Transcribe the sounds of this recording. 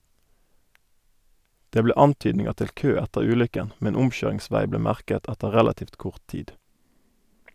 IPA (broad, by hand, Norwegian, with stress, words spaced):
ˈdeː ˈbleː ˈɑntyːdnɪŋəʁ ˈtɪl ˈkøː ˈɛtəʁ ˈʉːlʏkən ˈmɛn ˈʊmˌçøːʁɪŋˌsʋæɪ ˈbleː ˈmæʁkət ˈɛtə ˈʁɛlɑtiːft ˈkʊʁt ˈtiːd